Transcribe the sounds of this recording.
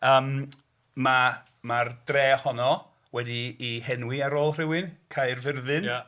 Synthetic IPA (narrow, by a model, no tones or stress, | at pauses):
əːm | ma | mard̥reːhɔnɔ | wɛdiːhɛnwɪaɾoːlˠr̥ɪwɪnkʰajrvɪrðɨna